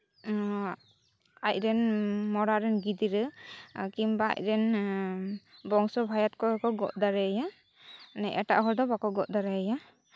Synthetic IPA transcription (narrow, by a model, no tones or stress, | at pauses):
ajɾɛnmɔɾaɾɛnɡid̪iɾɯkimbaa̰ʔɾɛn | bɔŋsɔbʱajat̚kɔɔkɔɡɔʔd̪aɾɛja | nɛjʔɛtaʔɦɔɾd̪ɔbakɔɡɔʔ̚d̪aɾaaja